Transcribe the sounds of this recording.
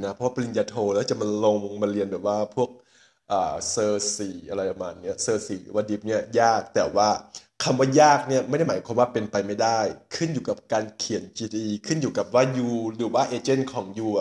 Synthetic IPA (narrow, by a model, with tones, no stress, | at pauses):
na˦pʰaː˥˩pa˧li˧njaː˧t̪ʰoː˧lɛː˧˥˦t͡ɕa˧˩˦ma˧nlo˧ŋmaː˧li˧ənbɛː˨˩waː˧˥˩pʰu˥˩ək̚ | ʔaː˨˩sɤː˧siː˨˩˦ʔa˧la˧ja˧˩maː˧nːi˧˥˩ɐsɤː˧siː˨˩˦lɯ̰ː˨˦waː˧˥˩di˧˦p̚ni˥˩ɐjaː˥˩k̚t̪ɛː˨˩waː˧˥˩ | kʰa˧mwaː˧˩jaː˥˩k̚ni˦˥˩ɐma˧˥˩da˥jmaː˨˦jkʰwa˧mwaː˧˩pe˨npa˧jma˧˥˩jda˥˩jkʰɯ˥˩˨njuː˨˩ka˧˦˩p̚kaː˨˧nkʰi˨˩˦nt͡ɕiː˧t̪ʰiː˧iː˧kʰɯ˥˨njuː˨˩ka˨˧˩p̚waː˥˩juː˧lɯː˨˩˦waː˧˥˩ʔeː˧t͡ɕe˥˨nkʰɔː˨˦ŋjuː˧˨˩